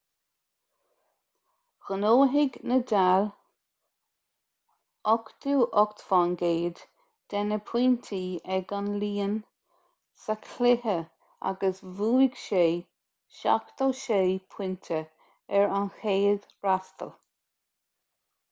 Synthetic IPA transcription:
ɣ̥ənoːɦɪɡnədal | ɔkt̪uːʔɔkt̪vanɡeːd̪ | d̪̥ɛnəpʰw̥int̪ʰiːɛɡanliːən | səkʰlɪhə | a̰ɡəsvuːɪɡ̥ʃeː | ʃa̰kt̪oːʃeːpʰwɪnt̪ʰə | ɛɹanxeːd̪̥ | ɹast̪ə̰l

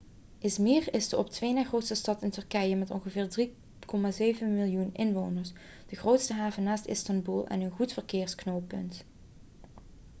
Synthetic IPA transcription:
ʔɪsmirɪsdəʔɔp̚tʋejnaːxrowtstəstɑtɪntɵrkɛjəmɛtɔ̰nχəvɪːɹdri | kɔmaːzejvənmɪlˠjunɪnʋownəɹs | d̥əɣrowtstəɦaːvənaːstɪ̰stɑnbulˠɛ̰nənχutfərkɪːɹsknowpɵ̰nt

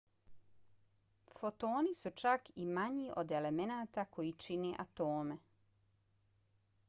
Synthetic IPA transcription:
fot̪o̞ːnisut͡ʃakimaɲiʔo̞d̪ele̞menaːt̪ako̞jit͡ʃineʔat̪oːme

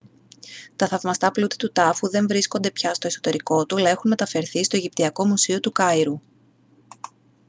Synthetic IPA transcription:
t̪ɐθɐvmɐst̪ɐplut̪i̥t̪ut̪ɐfuðe̞ɱvɾisko̞nd̪e̞pçɐst̪o̞e̞so̞̥t̪e̞ɾiko̞t̪uɐlɐe̞xunmet̪ɐfe̞ɾθist̪o̞eʝipt̪iɐko̞musio̞t̪ukɐiɾu

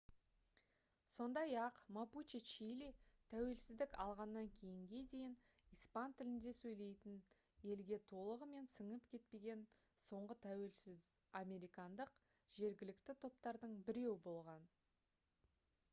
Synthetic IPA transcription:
so̞nd̪ɑjɑqmaput͡ʃit͡ʃijlit̪ʰæwe̞lsɪzd̪ɪkɑlˠʁɑnːɑŋkʲʰe̞jɪŋɡʲe̞d̪e̞jɪn | ijspɑnt̪ʰɪlɪnd̪e̞sɵjle̞jt̪ɪn | e̞lɡʲe̞t̪ʰo̞lˠəʁəme̞nsəɴəpkʲʰe̞t̪̚pe̞ɡʲe̞n | so̞ɴʁət̪ʰæwelsɪamʲe̞ɾijkɑnd̪əq | ʒ̥e̞ɾɡʲɪlɪkt̪ɪt̪ʰo̞p̚t̪ɑɾd̪əɴbɪɾe̞wɪbo̞lˠʁɑn

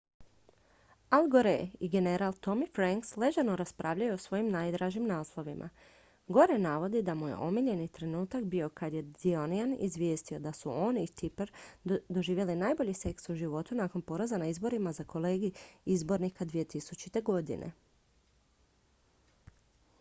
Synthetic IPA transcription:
alˠɡo̞ɾḛiɡe̞ne̞ɾalˠt̪o̞mifɾaŋksle̞ʒano̞ɾaspɾʔaːʋʎajuosʋo̞jimnaːjd̪ɾaːʒimnaːslˠo̞ʋimʔa̰ | ɡo̞ɾenaːʋo̞d̪id̪amuje̞̰ʔo̞miʎe̞nit̪ɾe̞nuːt̪akbio̞kad̪je̞d̪io̞nianḭzʋje̞ːst̪io̞d̪asuo̞ːnit̪ipɾd̪o̞ʒiːʋje̞linaːjbo̞ʎise̞ksuʒiʋo̞t̪unaːko̞npo̞ɾozanaizbo̞ɾimazakʰo̞leːɡiizbo̞ɾnikad̪ʋije̞t̪isut͡ʃit̪e̞ɡo̞d̪ḭnʔḛ

